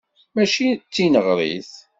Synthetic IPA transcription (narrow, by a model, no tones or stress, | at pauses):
mæʃit͡sːinəʁɾˤḭθ